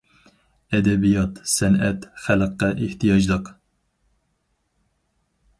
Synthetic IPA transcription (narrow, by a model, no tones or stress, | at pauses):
ɛd̪ɛbijɑt̪sɛnɛt̪χæləqːæʔeht̪ʰijɑd͡ʒd̪ɨq